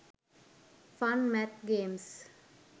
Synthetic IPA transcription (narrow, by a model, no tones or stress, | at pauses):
fãnmɛt̪ɡẽːms